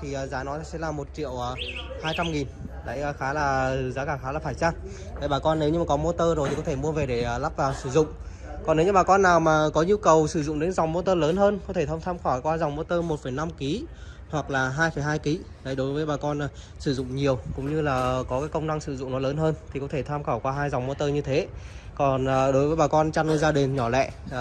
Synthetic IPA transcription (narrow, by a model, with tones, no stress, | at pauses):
t̪ʰi˨˩ʔəː˨˩zaː˨˦nɔ˨˦jsɛ̰˧˥laː˨˩mo˨˩t̚t͡ɕḭ˧˨əwʔəː˨˩haː˧jt͡ɕa˧mŋi˨˩nɗa̰ː˧˥jːxaː˨˦laː˨˩˨zaː˨˦kaː˧˩xaː˨˦laː˨˩faː˧˩jt͡ɕaː˧ŋ | ɗə˨˧˦jɓaː˨˩kɔ˧nɗe˨˦wɲɨ˧maː˨kɔ˨˦mo˧t̪əː˧zjt̪i˨˩kɔ˨˦t̪ʰe˧˩mu˧əve˨˩ɗe˧˩əː˨˩la˦˥p̚vaː˨˩wsɨ˧˩zʊ̰˧˨ŋ͡m | kɔ˨nɗɲɨ˧ɓaː˨˩kɔ˧nːaː˨˩wmaː˨˩kɔ˨˦ɲu˧kə˨˩wsɨ˧˩zʊ̰˧˨ŋ͡mɗe˨˦nza˨˩wŋ͡mmo˧t̪əː˧ləː˨˦nɦəː˧nkɔ˨˦t̪ʰe˧˩t̪ʰə˧wŋ͡mt̪ʰaː˧mxwaː˧˩kwaː˧za˨˩wŋ͡mmo˧t̪əː˧mo˨˩t̚fə˨˩jna˧mki˨˦ | hwa˨˩k̚laː˨˩ɦaː˧jfə˧˨˩jɦaː˧jki˨˦ | ɗə˨˦jɗo˨˦jvəː˨˦jɓaː˨˩kɔ˧nː˨˩ | sɨ˧˩zʊ̰˧˨ŋ͡mɲi˨˩əwkʊ̰˧˥ŋ͡mɲɨ˧laː˨˩kɔ˨˦kaː˨˦jkə˧wŋ͡mna˧ŋsɨ˧˩zʊ̰˧˨ŋ͡mnɔ˨˦ləː˨˦nɦəː˧nt̪ʰi˨˩kɔ˨˦t̪ʰe˧˩t̪ʰaː˧mxaː˧˩wkwaː˧ɦaː˧jza˨˩wŋ͡mmo˧t̪əː˧ɲɨ˧t̪ʰe˨˦kɔ˨˩nː˨˩ɗo˨˦jvəː˨˦jɓaː˨˩kɔ˧nt͡ɕa˧nʔəː˧jzaː˧ɗi˨˩ŋɲɔ˧˩lɛ̰˧˨